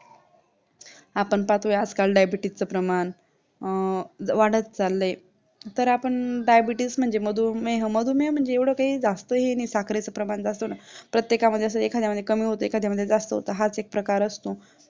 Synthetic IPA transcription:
apəɳpat̪ɦojad͡zkalɖajbiʈit͡səpɾəman | ʋaɽət̪̚t͡salːe | t̪əɾapəɳɖajbiʈism̤əɳd͡zeməd̪ʱumeɦəməd̪ʱumeɦm̤əɳd͡zeeʋɽ̤əkaɦiːd͡zast̪əɦenisakʰɾet͡səpɾəmand͡zast̪ənapɾət̪jekaməd̪ʱjeəs̬ekʰad̪jaməd̪ʱjekəmiːɦot̪əekʰad̪ʱjaməd̪ʱːjed͡zast̪əɦo̰t̪əɦat͡sek̚pɾəkaɾəst̪o

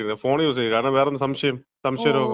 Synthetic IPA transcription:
nɐfoːnjuːs̬ɐkaːnãːʋeːɾɐmɐsɐmʂɐjɐm | sɐmsɐjɐɾɐ

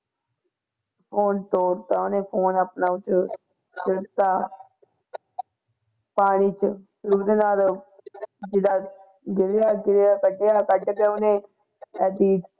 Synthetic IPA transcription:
pʰoːnt̪oːɾt̪aːʊnẽːpʰoːnəpnaːʊt͡ʃ | t͡ʃɪt̪aː | paːɽ̃iːt͡ʃsɾuːd̪eːnaːl | d͡ʒɪd̪aː | ɡɪljaːɡɪlejaːkəɖejaːkəʈːkeːʊnẽː | ɛːd̪iːd

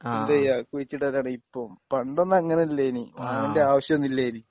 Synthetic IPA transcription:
id̪ejakuit͡ɕːiʈːɐɾaːɳɨipːoːmpɐɳɖonːɐɐŋːɐnelːejnḭʋɐnde̞aːʋɐɕjɐmnilːejni

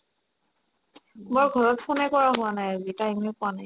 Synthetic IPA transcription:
moɹɡʱɔɹɔtpʰonɛkɔɹaɦʊwanajazitajmɛpʊwanaj

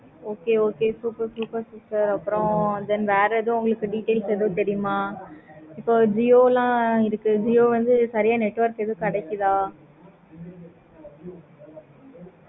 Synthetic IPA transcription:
oːkeːoːkeːsuːpɐɾsuːpɐɾsuʈɐɾɐpːɯɾõd̪ɛnʋeːɾɐðʊ̃ʊŋɡɐɭɯkːɯɖiːʈːeːlsɾɐðɯt̪ɛɾɪjʊmaː | ɪpːoːd͡ʒioːlãːɪɾɯkːɯd͡ʒijoːʋɐnd̪ɯsɐɾɪjaːnɛʈːʋɐɾkɛðɯkɐɽɛkːɯðãː

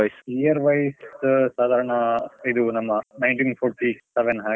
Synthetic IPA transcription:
ɐjsijɐɾʋɐjssaːd̪ʱaːɾɐɳɐiðunɐmːɐnɐjɳʈiːnfʰoːɾʈisɛʋɛnɦaː

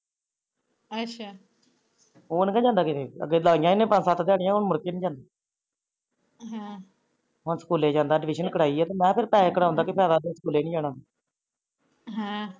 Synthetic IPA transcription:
ətʃʰaː | ɦoːnkɛ̃ːd͡ʒãːnd̪aːkeeə̰ɡeːlaːɪjãːɪnẽːpə̃nsaːt̪d̪aːɽjãːɦʊnmʊɾkeːnĩːd͡ʒãːnd̪aː | ɦɛ̃ | ɦʊnsə̥kuːleːd͡ʒãːnd̪aːɖɪʋɪʃənkəɽaːiːɛːt̪oːmɛ̃ːpʰɪɾpɛːɪkːəɽaːɦʊ̃ːnd̪aːkɪpʰɛːd̪aːd̪eːsəkuːleːnĩːd͡ʒaːɽãːd̪aː | ɦɛ̃

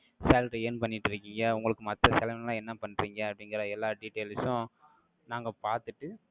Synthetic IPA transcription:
sɛːlʈːeːnpɐnːɪʈːɪɾɯkːiːŋɡɐʊŋɡɐɭɯkːɯmɐt̪ːɐsɛlɐmnlãːɛnːɐpɐɳːɾiːŋɡɐːpːɐɽɪŋɡɪɾaɛlːaːɾɖiʈːeːlsʊ̃ | naːŋɡɐpaːɾt̪ɯʈːɯ

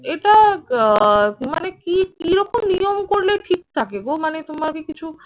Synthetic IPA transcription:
eʈa | ma̰nekikiɾokomnijomkoɾleʈʰik̚t̪ʰakeɡomanet̪omaɾkikit͡ɕʰu

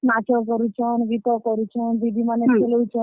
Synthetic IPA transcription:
nat͡ʃɔkɔɾut͡ʃʰɔnʋit̪ɔkɔɾut͡ʃʰɔnd̪id̪ʱimaneelowt͡ʃʰɔ

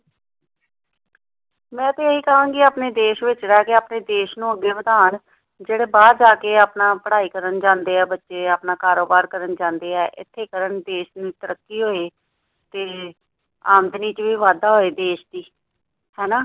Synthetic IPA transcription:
mɛ̃ːt̪eːɦiːkəɦãːŋɡiːaːpneːd̪eːʃʋɪt͡ʃɾɛːkeaːpneːd̪eːʃnũːəɡːeːbəd̪aːn | d͡ʒeːɽeːbaːd̪d͡ʒaːkeːaːpnaːpəɽaːiːkəɾənd͡ʒãːnd̪eːɛːbətːʃeːaːpnaːkaːɾoːbaːɾkəɾənd͡ʒãːnd̪eːɛːʔɪ̰t̪ʰːeːkəɾəɳd̪eːʃnĩːt̪əɾəkːiːɦoːeː | t̪eː | aːnd̪niːt͡ʃʋiːʋaːd̪aːɦoːeːd̪eːʃd̪iː | hɛːnaː

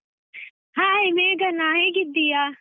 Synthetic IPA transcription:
ɦaːɦimẽːɡɐnaːɦẽːɡɪd̪iːaː

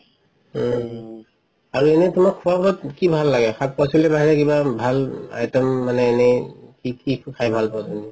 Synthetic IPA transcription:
aɹuɛnɛtumakʰːuapɔtkibʱalːaɡɛxʰat̚pɔsilɛbaɦɛɹɛkibabʱala̰jtɔmːanɛːnɛkikikʰajbʱalpɔteni

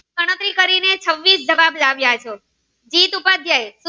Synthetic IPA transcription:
əɽ̃ət̪ɾikəɾinet͡ʃʰəʋːisd͡ʒəʋablaʋjat͡ʃʰe | d͡ʒit̪upad̪ʱjajs

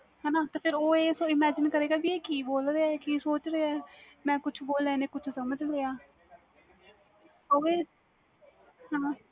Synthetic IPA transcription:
ɦɛːnaːt̪eːpʰɪɾoːeːsõːɪmɛːd͡ʒɪnkəɾeːɡaːbieːkiːboːlɾeːaɛːkiːsoːt͡ʃɾeːɛː | mɛ̃ːkʊt͡ʃʰboːlɛːneːkʊt͡ʃʰsəməd͡ʒleːaː | oːeː | ɦãː

